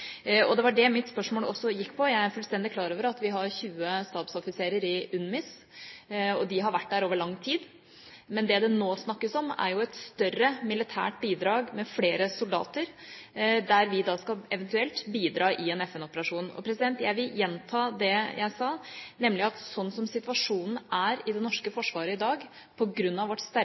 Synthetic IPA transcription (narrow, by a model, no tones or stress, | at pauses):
ɔd̪ɛʋɑɖɛmɪt̪spœʂmoːlɔsːɔjɪkːpʰɔjæɪæɾfʉlst̪ɛnd̪ɪkʰlɑːɾoːʋəɾɑt̪ʋɪɦɑɾçʉːəst̪ɑːbsɔfɪseːɾəɾɪʉnmɪs | ɔd̪ɪɦɑɾʋæʈːd̪æɾoːʋəɭɑŋːt̪ʰiːd̪ | mɛnd̪ɛd̪ɛnoːsnɑkːəsɔmæ̰ɾjʊɛt̪st̪œrəmɪlɪt̪ʰæ̰ːʈbiːd̪ɾɑːɡmɛfleːɾəsʊld̪ɑ̰ːt̪əɾ | d̪æɾʋɪd̪ɑːskɑlɛʋɛnt̪ʉɛlt̪biːd̪ɾɑːʔɪɛnɛfɛnɔpəɾɑʂuːnɔ̰pʰɾɛsɪd̪ɛnt̪jæɪʋɪljɛnt̪ʰɑːd̪ɛjʔæɪsɑːnɛmːlɪɑt̪sɔnːsɔmsɪt̪ʋɑʂuːnn̩ʔæɾɪd̪ɛnɔʂkəfɔʂʋɑːɾəɪd̪ɑːɡ | pʰɔɡɾʉnːɑʋɔʈst̪æɾ